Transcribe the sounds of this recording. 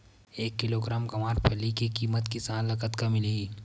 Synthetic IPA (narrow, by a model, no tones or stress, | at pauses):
eːkːɪloːɡɾãːmkɐmaːɾpʰɐlːikikiːmət̪kɪsaːnlɐkət̪kamɪli